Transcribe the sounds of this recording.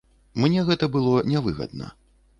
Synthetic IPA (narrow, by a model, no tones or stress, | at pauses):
mnʲɛɣɛt̪ɐbɨlˠɔnʲavɨɣɐ̰d̪̚nɐ̰